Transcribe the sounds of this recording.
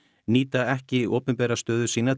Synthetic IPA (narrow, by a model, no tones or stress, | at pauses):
niːt̪aɛhcɪiʔoːpʏnpɛːɾast̪œːðʏsiːna